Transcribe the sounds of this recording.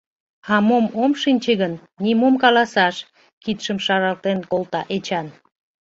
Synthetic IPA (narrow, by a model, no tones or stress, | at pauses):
ɑmomomʃinʲt͡ɕeɣənːimomkɑlɑsɑʃ | kit̪ʃəmʃɑɾɑlt̪enkolt̪ɑʔet͡ɕɑn